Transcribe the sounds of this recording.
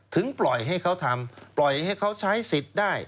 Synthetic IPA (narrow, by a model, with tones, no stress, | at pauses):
t̪ʰɯ˩˦ŋplɔ˨˩jɦa˥˩jkʰa˦˥wt̪ʰa˧mplɔ˨˩jha˥˩jkʰa˦˥wt͡ɕʰa˦˥jsi˨˩t̪̚daː˥˩j